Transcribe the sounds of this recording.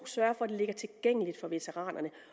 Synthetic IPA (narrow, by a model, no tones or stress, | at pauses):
u̥sɶɐfɒ̽æd̥e̝le̝ɡ̥ɐt͡sʰe̝lɡ̥eŋ̰əlid̥fɒ̽ʋe̝t͡sʰeʁɑ̰̈ːnʔɐnə